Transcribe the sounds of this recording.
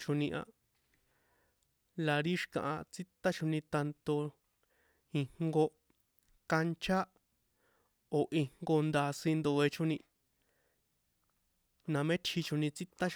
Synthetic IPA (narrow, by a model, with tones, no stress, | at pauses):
t͡ʃo˧nĩ˧ʔã̰˧ | la˨˧ɾi˦ʃi̥˧kã̰˧ʔa̰˧t͡si˦t̪a˦t͡ʃʰo˧nĩ˧t̪a˧nt̪o˧ | i˧hŋɡo˧ | ka˧nt͡ʃʰa˦ | o˨ʔi˧ŋŋɡo˧nd̪a˧sĩ˧nd̪o˧e˧t͡ʃʰo˦nĩ˧ | nã˨˧mẽ˦t͡ʃʰhi˧t͡ʃʰu˧nĩ˧t͡si˦t̪a˦